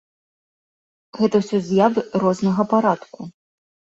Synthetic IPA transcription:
ɣɛt̪ɐwsʲɔzʲjavɨrɔznɐɣɐpaɾat̪ku

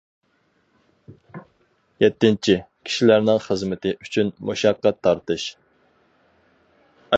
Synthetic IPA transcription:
jɛt̪ːɪnt͡ʃʰikʲʰi̥ʃilæɾnɪŋχəzmɪt̪ʰɪʔyt͡ʃʰynmuʃɑqːɑt̪ʰːɑɾt̪ɨʃ

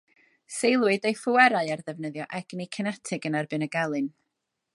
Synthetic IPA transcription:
sejlˠwɨdejfʊwɛɾaɨarðɛvnəðjɔʔɛɡ̥nikʰənatʰɪɡənarbɨnəɡalˠɨn

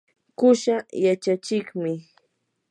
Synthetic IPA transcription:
kʊʃajat͡ʃat͡ʃɪkmɪ

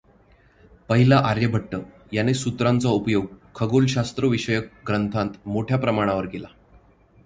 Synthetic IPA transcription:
pəɦilaʔaɾjəbʱəʈːə | janesut̪ɾãnt͡saupjoɡ̚kʰəɡolɕast̪ɾəʋiɕəjək̚ɡɾənt̪ʰãt̪moʈʰjapɾəmaɽ̃aʋəɾkela

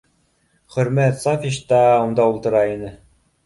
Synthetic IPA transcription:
χɵ̆ɾmæt̪sɑfʲiʃt̪ɑund̪ɑulˠt̪ɤ̆ɾɑinɘ

